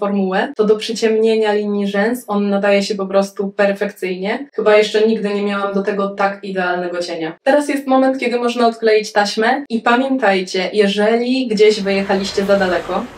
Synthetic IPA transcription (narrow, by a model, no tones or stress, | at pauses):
fɔɾmuwɛt̪ɔd̪ɔpʂɘt͡ɕɛmɲeɲalʲiɲːiʐɛnsɔnːad̪ajɛɕɛpɔpɾɔst̪upɛɾfɛkt̪sɘjɲɛxɘbajɛʂt͡ʂɛɲiɡd̪ɘɲɛmʲjawamd̪ɔt̪ɛɡɔt̪akid̪ɛalnɛɡɔt͡ɕeɲat̪ɛɾasjɛst̪mɔmɛnt̪kʲɛd̪ɘmɔʐnaɔt̪klɛjit͡ɕt̪aɕmɛipamʲjɛnt̪ajt͡ɕɛjɛʐɛlʲiɡd͡ʑeʑvɘjɛxalʲiɕt͡ɕɛzad̪alɛkɔ